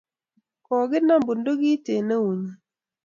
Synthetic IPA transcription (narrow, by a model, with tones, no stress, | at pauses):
kɔ˨ɡɪ˦na˦˨mbu˨ndo˦ɡi˦te˨ne˦u˨ɲi˨